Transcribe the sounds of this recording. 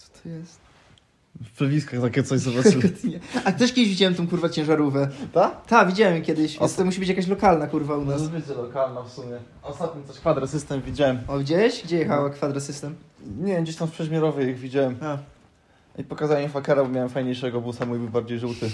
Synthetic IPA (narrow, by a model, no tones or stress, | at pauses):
ɔ̥t̪ʰɔ̥jɛst̪ | fpʂɛvʲiskaxt̪akʲɛt̪sɔʑzɔbat̪ɲɛat̪ɛʂkʲɛd̪ɪʑvʲid͡ʑawɛmt̪ɔ̃kuɾvat͡ɕɛ̃w̃ʐaɾuvɛt̪at̪avʲid͡ʑawɛmkʲjɛd̪ɘɕst̪ɔmuɕ̬ibɘt͡ɕjakaɕ̬lɔkalnakuɾvaunasbɘd͡ʑɛlɔkalnafsumʲjɛ | aɔst̪at̪̚ɲit̪ɔɕkfad̪ɾasɘst̪ɛmvʲid͡ʑawɛmɔɡd͡ʑeɕɡd͡ʑɛjɛxawakfad̪ɾasɘst̪ɛmɲɛɡd͡ʑeɕt̪amfpʂɛɕmʲɛɾɔvɛiɣvʲid͡ʑawɛm | ipɔkazawɲɛfakɛɾabɔmʲjawɛmfajɲejʂɛɡɔbusamuibɘbaɾd͡ʑejʐut̪ɘ